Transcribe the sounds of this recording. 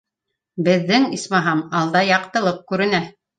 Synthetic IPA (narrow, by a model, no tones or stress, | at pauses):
bɘ̆ðːɘŋismɑɦɑmɑlˠd̪ɑjɑqt̪ɤ̆lˠɤp̚kʉɾɘ̆næ